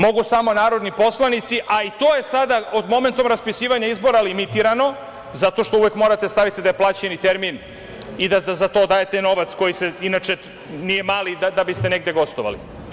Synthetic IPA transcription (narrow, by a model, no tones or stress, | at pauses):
mo̞ɡusamo̞naːɾo̞d̪nipo̞slanit̪siʔait̪o̞ːje̞sad̪aod̪mo̞me̞nt̪o̞mɾaspisiːʋaɲaizbo̞ɾalimit̪iɾano̞ | zat̪o̞ʃt̪o̞uʋjekmo̞ːɾat̪e̞st̪aʋit̪id̪ajeplˠaːt͡ɕenit̪eɾmin | id̪ad̪azat̪o̞ːd̪aːje̞t̪eno̞ʋat̪sko̞jiseinat͡ʃe̞ | nijemaːlid̪ad̪abist̪e̞ne̞ɡd̪eɡo̞st̪oʋa̰lḭ